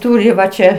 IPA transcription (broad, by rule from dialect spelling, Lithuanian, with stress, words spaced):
ˈtuːrʲɪ ʋɐ ˈt͡ʃʲɛ